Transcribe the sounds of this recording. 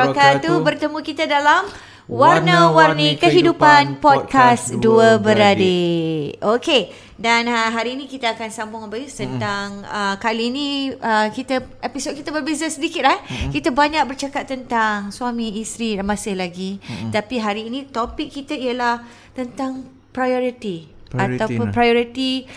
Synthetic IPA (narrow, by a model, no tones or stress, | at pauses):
akat̪ubərt̪əmũkit̪adalam | warnəwarnikəɦidupanpɔd̚kasduəbəɾadeʔoke | danɦaɾiːnĩkit̪əakansambʊŋbaisənt̪aŋəkaliːniəkit̪əepisod̚kit̪əbərbezəsədikɪt̪̚ahkit̪əbaɲak̚bərt͡ʃakat̪̚ːənt̪aŋswamĩːst̪ɾimãsɪhlaɡit̪apiɦaɾiːnĩt̪opɪkːit̪əiəlah | t̪ənt̪aŋ | pɾajɔɾit̪i | at̪awpʊnpɾajoɾit̪i